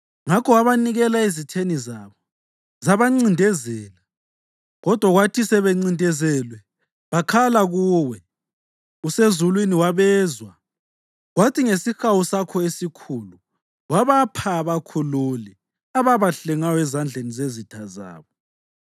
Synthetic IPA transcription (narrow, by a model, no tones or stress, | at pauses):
ŋakʰɔwaβaniɣɛlaezitʰenizaːβɔ | zaβaŋ͡ǀindʱɛzɛːla | ɣɔd̥ʱwaɣwatʰisɛβeŋ͡ǀindʱɛzɛːlwɛ | βakʰalaɣuːwɛ | usezulwiniwaβɛːzwa | ɣwatʰiŋesixawusakʰɔesikʰulu | waβapʰaːβakʰululɛ | aβaβaɬɛŋajɔɛzand͡ɮʱenizezitʰaza̰ːβɔ